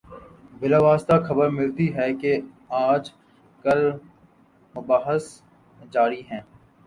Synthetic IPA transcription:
bɪlaːʋaːst̪axɐbəɾmɪlt̪iɦɛke | aːd͡ʒ | kɐɾ | mʊbaːɦəs | d͡ʒaːɾiɦɛ̃ː

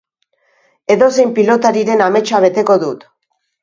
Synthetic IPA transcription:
e̞ðo̞se̞jmpilo̞t̪aɾiɾe̞name̞t͡ʃaβ̞e̞t̪e̞ko̞ðut̪

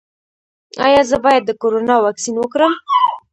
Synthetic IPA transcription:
ɑ̰jɑzəbɑjad̪̚ːəkoɾonɑwɑksinwəkɾəm

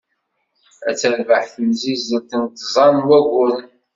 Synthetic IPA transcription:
æ̰t͡sːəɾvəħθəmzizəɾt̪ənt̪zˤɑnwæɡʷʊɾ

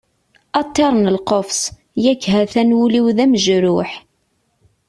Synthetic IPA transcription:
ɑt̪ˤːeɾˤnəlqofs | jækːɦæθænwuliwðæməʒɾʊħ

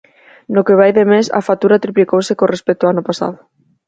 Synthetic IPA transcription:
nokeβ̞ajðemesa̰fat̪uɾat̪ɾiplikowsekorespɛk̚t̪oanopasa̰ðʊ

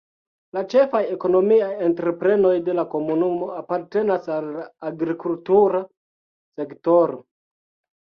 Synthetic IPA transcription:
lat͡ʃe̞fajeko̞no̞miaje̞ntɾe̞pɾe̞no̞jde̞lako̞munumo̞apaɾte̞nasalːaːɡɾikultuɾa | se̞kto̞ɾo̞

